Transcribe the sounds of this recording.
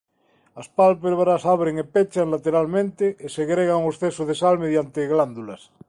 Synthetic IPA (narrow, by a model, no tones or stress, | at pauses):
aspalpeβɾasaβɾeŋepet͡ʃaŋlat̪eɾalmẽnt̪eʔeseɣɾeɣaŋosθesoðesalmeðjant̪eɣland̪ulas